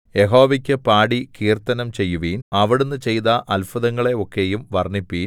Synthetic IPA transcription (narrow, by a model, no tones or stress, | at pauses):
je̞ɦo̞ːʋikʲːɨpaːɽikiːrt̪ɐnɐmt͡ɕe̞jːuʋiːnɐʋiɽunːɨt͡ɕe̞jt̪ɐʔɐlfɐðɐŋːɐɭe̞o̞kːe̞jumʋɐrnipːiːn